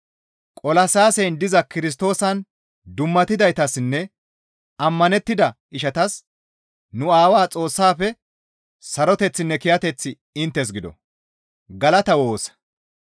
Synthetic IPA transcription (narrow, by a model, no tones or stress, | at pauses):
kʼɔlɐsaːsɛjnd̪ɪzɐkɪɾɪs̬t̪o̞ːsɐn | d̪ʊmːɐt̪ɪd̪ɐjt̪ɐsnːɛ | ɐmːɐnɛt̪ːɪd̪ɐ | ɪʃɐt̪ɐs | nʊaːwaːt͡sʼo̞ːsːaːfɛ | sɐɾɔt̪ɛt͡sːɪnːɛkɪjɐt̪ɛt͡sːɪ | ɪnt̪ːɛs̬ɡɪd̪ɔ̰ | ɡɐlɐt̪ɐwo̞ːsɐ̥